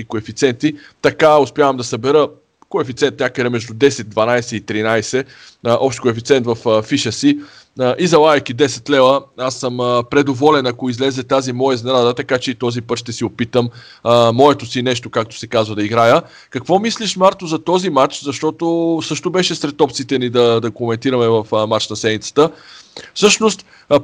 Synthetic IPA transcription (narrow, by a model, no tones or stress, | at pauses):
ikoɛfit̪sɛnt̪i | t̪ɐkaʊspʲjavəmd̪ɐsɐbɛɾə | koɛfit̪sɛnt̪nʲakəd̪ɛmɛʒd̪ud̪ɛsɛd̪̚d̪vɐnajsɛit̪ɾinajsɛ | ʔɔpʃt̪kʊɛfit̪sɛnt̪vɐffiʃəsi | əʔizɐlˠaɛkid̪ɛsɛt̪lɛvəasːəməpɾɛd̪ovɔlɛnɐkoizlɛzɛt̪azimɔjɛznɾad̪ət̪ɐkat͡ʃɛit̪ɔzipɤt̪ʃt̪ɛsiopit̪əmː | ɔɛt̪osinɛʃt̪okak̚t̪o̥sɛkazvəd̪ɐiɡɾajə | kɐkvɔmisliʃmaɾt̪ozɐt̪ɔzimat͡ʃzɐʃt̪ɔt̪osɤʃt̪obɛʃɛsɾɛt̪ɔp̚t̪sit̪ɛnid̪ɐd̪ɐkomɛnt̪iɾəmɛvəfmat͡ʃnɐsɛnit̪sə̥t̪əfsɤʃnost̪